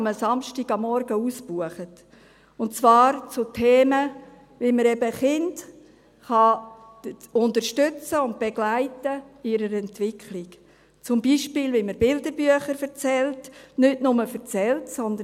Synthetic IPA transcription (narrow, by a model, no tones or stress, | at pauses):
məsɑmʃtiɡ̥ɑmːɔɾɡəuːsb̥uəχət | ʊntt͡svɑːɾt͡sʊtʰeːmə | ʋɪməɾɛbəχɪnd | χɑ | ʊndəɾʃtʏt͡səʊnt̚b̥eɡ̥laɪtəɪɾəɾɛntʋɪkʰlɪk | t͡sʊmbiːʃpɪːlʋiməɾbɪldəbyəχəɾfəɾt͡sɛltnʏtnʊməfəɾt͡sɛltsɔnd̪ə